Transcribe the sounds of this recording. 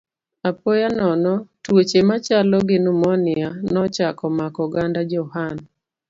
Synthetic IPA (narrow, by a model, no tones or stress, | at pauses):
apojanɔnɔtwot͡ʃemat͡ʃalɔɡɪnumɔnɪanɔt͡ʃakɔmakɔɡandad͡ʒɔhan